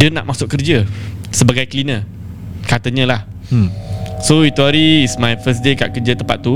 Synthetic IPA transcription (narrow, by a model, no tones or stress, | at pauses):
diəna̰ʔmasʊʔkərd͡ʒəsəbaɡajkəlinə | kat̪əɲə̃lah | soit̪uaɾiːsmajfəs̬deka̰ʔkərd͡ʒət̪əmpat̪̚ːu